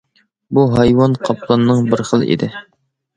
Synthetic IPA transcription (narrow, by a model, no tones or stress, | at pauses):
buɦɑjwɑnqʰɑplˠɑnːɨŋbɪɾχəlˠḭd̪ɪ